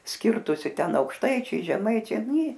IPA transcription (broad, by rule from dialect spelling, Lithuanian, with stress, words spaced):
ˈsʲkʲɪrtʊsʲɪ ˈtʲɛn ɐʊkʃˈtɐɪt͡ʃʲɛɪ ʒʲɛˈmɐɪt͡ʃʲɛɪ ˈnʲeː